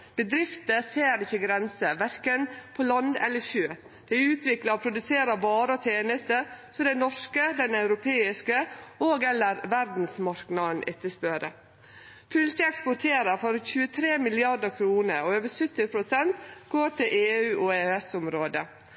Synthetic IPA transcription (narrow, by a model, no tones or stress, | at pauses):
b̥əd̪ɾɪft̪əseːɾɪçːəɡɾɛnsəʋæɾkənpʰɔlɑnd̪ɛ̰lːəçøː | d̪̥ɛɪʉːt̪ʰʋɪklɑpʰɾʊd̪ʉseːɾəʋɑːɾəɔt̪ʰeːnəst̪əɾsɔd̪ɛɪnɔʂkəd̪ɛnɑʉɾʊpʰeːɪskəoːɡɛlːəɾʋæɾd̪n̩smɑɾknɑd̪n̩ʔɛt̪ːəspøɾə̰ | fʉlçəɛkspʊʈʰeːɾəfɔɾçʉːət̪ʰɾeːmɪlɪɑdəɾkʰɾuːnəɾɔøːʋəsʏt̪ːɪpʰɾʊsɛnt̪ɡ̥oːʈʰɪlʔeːʉːʔɔeːøɛsʊmɾoːd̪ə